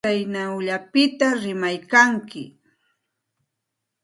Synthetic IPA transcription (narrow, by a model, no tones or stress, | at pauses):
ajnawʎapɪt̪aɾɪmajkaŋkɪ̰